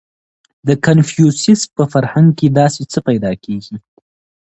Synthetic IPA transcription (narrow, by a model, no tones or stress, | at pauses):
d̪əkanfjusɪspəfaɾhaŋɡked̪ɑset͡səpajd̪ɑkʰeɡi